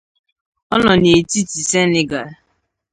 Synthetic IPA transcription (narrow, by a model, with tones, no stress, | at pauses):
ɔ˦nɔ˨ne˨ti˦ti˨se˦nɪ˨ɡa˨l